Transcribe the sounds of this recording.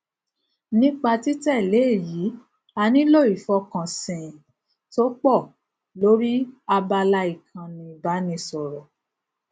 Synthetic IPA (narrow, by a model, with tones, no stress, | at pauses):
nĩ˦k͡pa˧ti˨˦tɛ˦˨le˨˦˨ji˨˦ | a˧nĩ˦lo˦˨i˨fɔ˧kã˨sĩ˨ | to˦k͡pɔ˦˨ | lo˨˦ɾi˦a˧ba˧la˧i˨kʰã˧nĩ˨ba˨˦nĩ˧sɔ˨ɾɔ˨